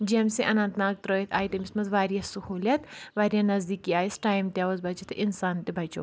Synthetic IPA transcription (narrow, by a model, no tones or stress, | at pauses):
d͡ʒemseʔɐnɐ̃nt̪naːk̚t̪ɾoːjit̪ʰaːit̪ɐmismɐzʋaːɾjasɐhuːlʲjɐt̪ʋaːɾijanɐzd̪iːkiaːisʈaːjmt̪ʲjaːʋozbɐt͡ʃit̪ʰʔinsaːnt̪ebʱɐt͡ʃo̰ː